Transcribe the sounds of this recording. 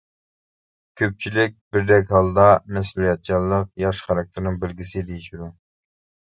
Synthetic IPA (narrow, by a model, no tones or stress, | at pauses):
kʲʰøp̚t͡ʃʰilɪk̚ʲbɪɾd̪ɛk̬ʲɦɑlˠd̪ɑmɛs̬ulˠijɛt̪̚t͡ʃʰɑlˠːəqjɑʃχɑɾɑk̚t̪ʰɪɾnɨŋbɪlɡʲisɪd̪ejiʃyɾu